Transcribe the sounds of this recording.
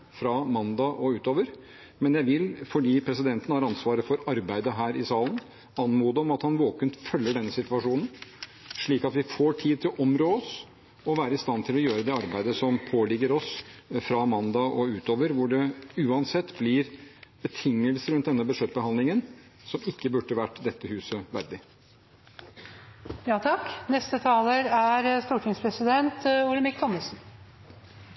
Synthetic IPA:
fɾɑmɑnd̪ɑʔɔʉːt̪oːʋəɾ | mɛnjæɪʋɪlfɔɖiːpʰɾɛsɪd̪ɛnt̪ənhɑɾɑnsʋɑːɾəfɔɾɑɾbæɪd̪əɦæːɾʔɪsɑːlən | ɑnmuːd̪əɔmɑt̪hɑnʋoːkənt̪fœlːəɖɛnːəsɪt̪ʋɑʂuːnn̩ | ʂɭiːkɑt̪ʋɪfoːʈʰiːd̪̚t̪ʰɪlɔʔɔmɾoːɔs | ɔʋæːɾəɪst̪ɑnt̪ʰɪlɔjøːɾəd̪ɛɑɾbæɪd̪əsɔmpʰoːlɪɡːəɾɔsfɾɑmɑnd̪ɑʔɔʉːt̪oːʋəɾʋʊɖɛʉːɑnsɛt̪ːblɪɾb̥ət̪ʰɪŋːəlsəɾʉnt̪̚d̪ɛnːəbʉʂɛt̪̚ːbəhɑnd̪lɪŋən | sɔmɪkːəbʉɖəʋæʈːd̪ɛt̪ːəhʉːsəʋæɾɖɪ | jɑːt̪ʰɑknɛst̪ət̪ʰɑːləɾæɾst̪uːʈʰɪŋspʰɾɛsɪd̪ɛnt̪uːləmɪkt̪ʰɔməsn̩

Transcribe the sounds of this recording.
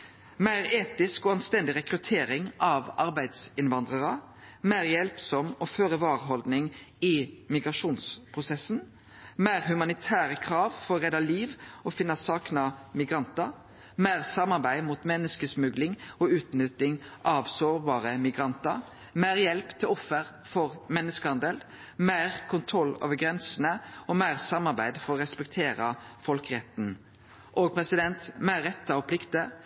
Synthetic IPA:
mæɪʁeːt̪ɪskɔːɑnst̪ɛnd̪ɪʁɛkɾʉt̪ʰeːɾɪŋɑʋɑɾbæɪd̪sɪnʋɑnd̪ʁəʁə | mæɪʁjɛlpsɔmɔføːɾəʋɑːʁəɦɔld̪nɪŋ | ɪmɪɡʁɑʂuːnspʰʁʊsɛsn̩ | mæɪʁhʉmɑnɪt̪ʰæːɾəkʰɾɑːʋfɔɾɔʁɛd̪ɑliːʋɔfɪnːɑsɑːknɑmɪɡɾɑnt̪ɑ | mæːʁsɑmɑʁbæɪmuːt̪mɛnːəskəsmʉɡlɪŋɔʉːt̪nʏt̪ɪŋʔɑʋsoːʁbɑːʁəmɪɡɾɑnt̪ə | mæːʁjɛlpt̪ʰɪlɔfːəʁ | fɔʁmɛnːəskəhɑnd̪ɛl | mæɪʁkʰʊnt̪ʰʁɔlːo̰ːʋəɡɾɛnsənəɔmæɪʁsɑmɑɾbæɪd̪fɔɾɔʁɛspɛkt̪ʰeːɾɑfɔlkɾɛt̪n̩ | ʔoːɡ̚pʰʁɛsɪd̪ɛnt̪mæːɾːɛt̪ːɑɔpʰlɪkt̪ə

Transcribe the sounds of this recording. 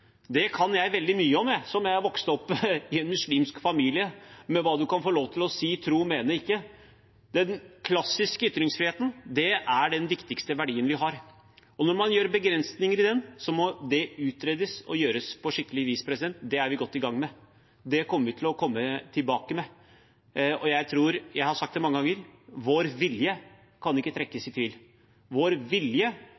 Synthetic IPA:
d̪ɛkʰɑnjæɪʋɛld̪ɪmyːəɔmːɛsɔmjæɪɑɾʋɔkst̪ɔpːɪɛnmʉsliːmskfɑmiːlɪəmɛʋɑːd̪ʉkɑnfoːloːʋt̪ʰɪlɔsiːt̪ʰɾuːmeːnəɪkːə | d̪ɛnkʰlɑsːɪskəʏt̪ɾɪŋsfɾɪheːt̪ən̩d̪ɛæɖɛnʋɪkt̪ɪkst̪əʋæɖiːənʋɪɦɑɾ | ɔnɔɾmɑnjøːɾbəɡɾɛnsnɪŋəɾɪd̪ɛnsɔmɔd̪ɛʉːt̪ɾeːd̪əsɔ̰jøːɾəspʰɔʂɪkːəlɪʋiːspʰɾɛs̬ɪd̪ɛnt̪d̪ɛæɾʋɪɡɔt̪ːɪɡɑŋːmɛ | d̪ɛkʰɔmːəɾʋɪt̪ʰɪlɔkʰɔmːət̪ʰɪlbɑːkəmɛ | ɔjæɪt̪ʰɾuːɾjæɪhɑɾsɑkt̪d̪ɛmɑŋːəɡɑŋːəɾʋoːɾʋɪljə | kʰɑnɪkːət̪ʰɾɛkːəsɪt̪ʰʋiːl | ʋoːɾʋɪljə

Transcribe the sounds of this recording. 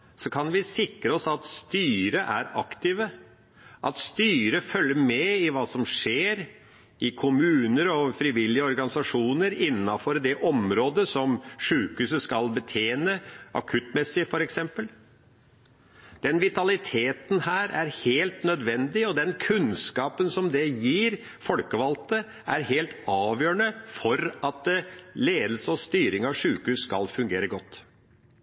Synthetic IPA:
sɔkʰɑnʋɪsɪkɾəɔsɑt̪st̪yːɾəʔæ̰ɾɑkt̪ɪʋə | ʔɑt̪st̪yːɾəfœlːəmɛɪʋɑːsɔmʂeːɾ | ɪkʰʊmʉːnəɾɔfɾɪʋɪlːɪəɔɾɡɑnɪsɑʂuːnəɾɪnːɑfɔɾd̪ɛʔɔmɾoːd̪əsɔmʂʉːkʉːsəskɑlbət̪ʰeːnəʔɑ̰kʰʉt̪mɛsːɪfɔɾɛksɛmpəl | d̪̥ɛnʋɪt̪ɑlɪt̪ʰeːt̪n̩hæːɾæɾheːlt̪nœd̪ʋɛnd̪ɪɔd̪ɛnkʰʉnskɑːpənsɔmd̪ɛjiːɾ | fɔlkəʋɑlt̪ə | ʔæɾheːlt̪ɑːʋjøːɳəfɔɾɑt̪leːd̪əl̩səɔst̪yːɾɪŋɑʋʂʉːkhʉːsskɑ̰lfʉŋɡeːɾəɡɔt̪ː

